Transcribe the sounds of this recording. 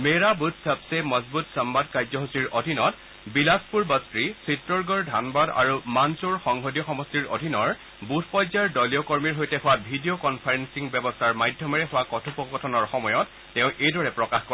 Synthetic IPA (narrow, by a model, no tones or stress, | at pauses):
meɹabutʰsabsemɔzbutsambadkajzɔɦosiɹodʱinɔt | bilaspuɹbɔstɹisitɹɔɹɡɔɹdʱanbada̰ɹumansuɹxɔŋɦodijɔxɔmɔstiɹo̰dʱinɔɹ | butʰpɔjzaɹdɔlijɔkoɹmiɹɦojtɛɦʊwabʱidiokɔnpʰaɹensiŋbɛbɔstʰaɹmajdʱjɔmɛɹɛxʊwakɔtʰupɔɡɔtʰɔnɔɹxɔmɔjɔtːɛʊ̃ʔejdʱɔɹɛpɹɔkaxkɔ